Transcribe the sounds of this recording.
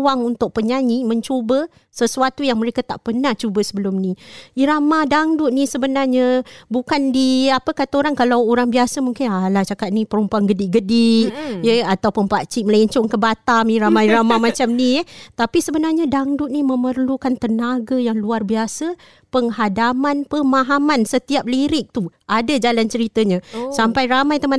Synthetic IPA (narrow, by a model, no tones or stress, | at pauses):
waŋunt̪ʊk̚pəɲaɲimə̃ɲt͡ʃobə | səsuat̪ujaŋməɾekat̪aʔpənaht͡ʃubəsəbəlʊmniiɾamadaŋdʊt̪̚nisəbənarɲabukandiapəkat̪aoɾaŋkalawoɾaŋbiasəmuŋkɪnalaht͡ʃakat̪̚nipəɾumpuanɡədiʔɡədiʔjəat̪awpənpaʔt͡ʃiʔməlɛɲt͡ʃʊŋkəbat̪amiɾamajɾamamat͡ʃamnit̪apisəbənarɲadaŋdut̪̚niməmərlukant̪ənaɡajaŋluarbiasə | pəŋɦadamanpəmãɦamansət̪iap̚liɾɪk̚t̪uʔadad͡ʒalant͡ʃəɾit̪əɲãsampajramajt̪əma